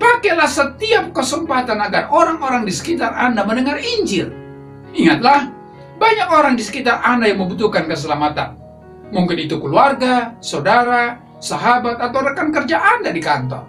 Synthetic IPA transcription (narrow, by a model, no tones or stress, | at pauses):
pakɛlahsət̪iap̚kəsəmpat̪anaɡaroɾaŋoɾaŋdisə̥kit̪arandaməndəŋariɲd͡ʒɪl | iŋat̪̚lah | baɲakoɾaŋdisə̥kit̪arandajaŋməmbut̪̬ukankəs̬əlamat̪a̰n | muŋkɪnit̪ukəluarɡasawdaɾa | saɦabat̪̚at̪awɾəkankərd͡ʒaʔandadikant̪ɔ̰r